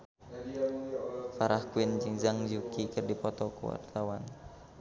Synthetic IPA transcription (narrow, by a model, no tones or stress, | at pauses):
faɾahkuind͡ʒiŋzaŋd͡ʒukikərdipɔt̪ɔkṵwa̰rt̪awan